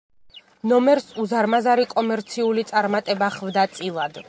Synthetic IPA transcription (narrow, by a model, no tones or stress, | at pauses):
nɔmɛɾsuzaɾmazaɾikʼɔmɛɾt̪sʰiulit̪sʼaɾmat̪ʼɛbaχvd̪at̪sʼilˠad̪